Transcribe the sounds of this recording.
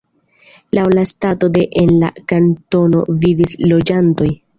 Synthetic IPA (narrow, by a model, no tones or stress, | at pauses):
lawlastato̞de̞ʔenla̰kanto̞no̞̰vivislo̞d͡ʒanto̞j